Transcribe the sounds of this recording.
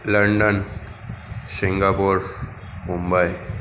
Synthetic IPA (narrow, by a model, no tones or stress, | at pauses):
ləɳɖən | siŋɡapuɾ | mumbaj